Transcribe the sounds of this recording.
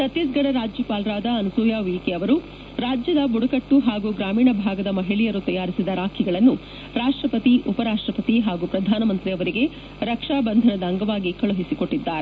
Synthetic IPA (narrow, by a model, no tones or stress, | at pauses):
sɐt̪jisɡɐɽɐɾaːd͡ʒjupaːlɾaːd̪ɐːnusuːjaːʋiːkeɐʋɐɾu | ɾaːd͡ʒjɐd̪ɐbuɽɐkɐʈːuɦaːɡuɡɾaːmiːɳɐbʱaːɡɐd̪ɐmɐɦiɭijɐɾut̪ɐjaːɾisid̪ɐɾaːkʰiɡɐɭɐnːu | ɾaːʂʈɾɐpɐt̪iʔupɐɾaːʂʈɾɐpɐt̪iɦaːɡupɾɐd̪ʱaːnɐmɐnt̪ɾiɐʋɐɾiɡe̞ | ɾɐkʂaːbɐnd̪ʱɐnɐd̪ɐːŋɡɐʋaːɡikɐɭuɦisiko̞ʈːid̪ːaːɾe